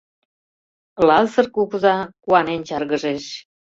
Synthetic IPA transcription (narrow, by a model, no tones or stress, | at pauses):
lɑzərkukuzɑkuɑnent͡ɕɑrɣəʒeʃ